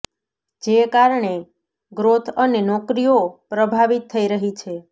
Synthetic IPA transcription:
d͡ʒekaɾɳe | ɡɾot̪ʰənenɔkɾijopɾəbʱaʋit̪ʰːəiɾəɦit͡ʃʰe

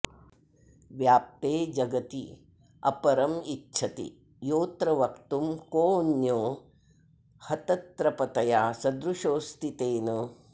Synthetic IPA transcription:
ʋjaːp̚t̪eːd͡ʒɐɡɐt̪ḭ | ɐ̰pɐɾɐmitːʃʰɐt̪ḭ | joːt̪ɾɐʋɐkt̪umkoːnjoː | hɐt̪ɐt̪ɾɐpɐt̪ɐjaːsɐd̪ɾuʃoːst̪it̪eːnɐ

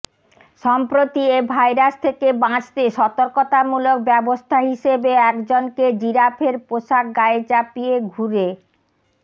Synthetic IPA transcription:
ʃɔmpɾot̪iebʱajɾast̪ʰekebãt͡ɕt̪eʃɔt̪oɾkot̪amulok̚bɛbost̪ʰaɦiʃebeɛkd͡ʑonked͡ʑiɾapʰeɾpoʃak̚ɡaet͡ɕapieɡʱuɾe

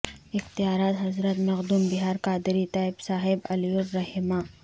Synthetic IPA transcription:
ɪxt̪ijaːɾaːt̪ɦɐzɾət̪mɐqd̪umbɪɦaːɾkaːd̪ɪɾit̪aːɪbsaːɦɪbɐljʊɾːɐɦimaː

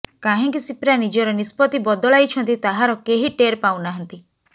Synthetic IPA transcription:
kaɦĩkisipɾanid͡ʒɔɾɔnispɔt̪ibɔd̪ɔlajt͡ʃʰɔnt̪it̪aɦaɾɔkeɦiʈeɾpaw̃naɦɔnt̪i

